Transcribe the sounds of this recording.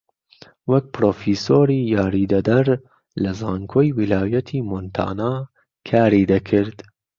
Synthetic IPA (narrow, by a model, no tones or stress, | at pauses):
wɐk̚pɾoːfiːsoːɾiːjɑːɾiːd̪ɐd̪ɐɾ | lɐzɑːŋkʰoːjwilɑːjɐt̪ʰiːmont̪ʰa̰ːnaː | kʰaːɾiːd̪ɐkʰɪɾd̪